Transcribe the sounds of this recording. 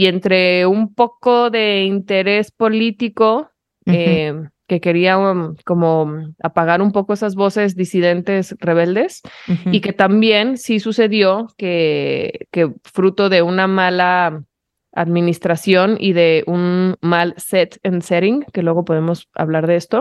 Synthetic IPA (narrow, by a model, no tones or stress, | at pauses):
ient̪ɾe̞umpo̞ko̞ðe̞int̪e̞ɾe̞spo̞lit̪iko̞ | eke̞ke̞ɾiako̞mo̞apaɣaɾumpo̞ko̞esazβo̞se̞zd̪isiðe̞nt̪e̞sre̞β̞e̞ld̪e̞sike̞t̪ambje̞nsisuse̞ðjoke̞ | ke̞fɾut̪o̞ðe̞unamala | a̰ðmĩnist̪ɾasjo̞nḭðe̞ʔunmalset̪enseɾiŋke̞lwe̞ɣo̞po̞ðe̞mo̞sa̰βlaɾðee̞st̪o̞